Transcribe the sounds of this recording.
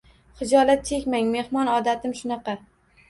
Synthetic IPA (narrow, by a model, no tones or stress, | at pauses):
χɪd͡ʒɒlat̪̚t͡ʃʰe̞kʲmaŋme̞hmɒnɒd̪at̪ʰɪmʃʊnɑqɑ